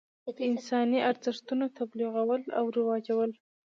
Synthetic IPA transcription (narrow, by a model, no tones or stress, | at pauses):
d̪̥əɪnsɑniʔaɾzɪʂt̪unot̪abliɣawəla̰wɾɪwɑd͡ʒawəl